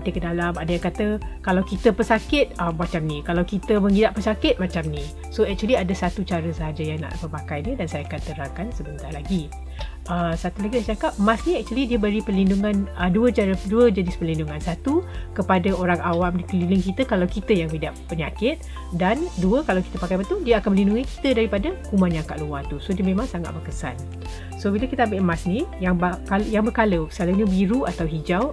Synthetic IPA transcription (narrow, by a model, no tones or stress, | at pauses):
it̪ikədalamadəjaŋkat̪əkalawkit̪əpəsakɪt̪̚əmat͡ʃamnikalawkit̪əməŋidaʔpəsakɪt̪̚mat͡ʃamni | soɛk̚t͡ʃuəliadasat̪ut͡ʃaɾəsəɦad͡ʒajaŋna̰ʔbəpakajnədansajakant̪əɾaŋkansəbənt̪arlaɡi | ʔəsat̪ulaɡiat͡ʃakap̚mãsniɛk̚t͡ʃuəlidiəbəɾipərlinduŋãnəduət͡ʃaɾəduəd͡ʒanɪspərlinduŋansat̪ukəpadaoɾaŋawamdikəlilɪŋkit̪əkalawkit̪əjaŋbidaʔpːəɲakɪt̪̚ | danduəkalawki̥t̪əpakajpat̪udiəakanməlinduŋiki̥t̪ədaɾipadəkumãnɲaŋka̰ʔluwat̪usodiəmẽmãŋsaŋa̰t̪̚bəkəsa̰n | sobilakit̪əambɪʔmãsnijaŋbakaljaŋbəkaləsaləɲəbiɾuʔat̪awɦid͡ʒaw